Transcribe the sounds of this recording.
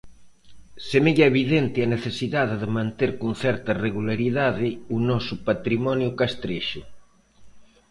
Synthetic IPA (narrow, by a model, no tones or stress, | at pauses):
semeʎaeβ̞iðent̪ɪaneθesiðaðeðemãnt̪eɾkon̟θɛɾt̪ɐreɣulaɾiðaðɪunɔsʊpat̪ɾimɔnjukast̪ɾeʃʊ